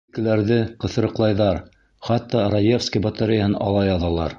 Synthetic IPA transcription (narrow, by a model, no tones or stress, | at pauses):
kɘ̆læɾðɘqɤ̆θ̆ɾɤ̆qlˠɑjðɑɾ | χɑt̪ːɑrɐjefskəjbɐt̪aɾʲɪjəhɤnɑ̰lˠɑjɑðɑlˠɑ̰ɾ